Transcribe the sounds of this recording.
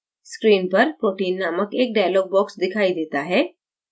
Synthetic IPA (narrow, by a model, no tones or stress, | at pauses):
skɾiːnpɐɾpoːʈiːnːaːməkeːk̚ɖaːjloːɡ̚bɔːksd̪ɪkʰaːid̪eːt̪aɦɛː